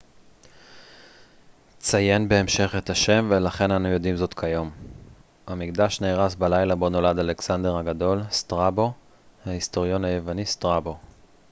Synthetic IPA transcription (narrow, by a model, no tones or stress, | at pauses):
t͡saje̞nbe̞ːmʃe̞χe̞t̪aʃe̞mvelaχe̞nanujo̞dimzo̞tkʰajo̞m | hamikd̪aʃneːʁasbalajlabo̞no̞ladale̞ksande̞ʁhaɡado̞lstʁabo̞ | haisto̞ʁjo̞nhaje̞vanist̪ʁabo̞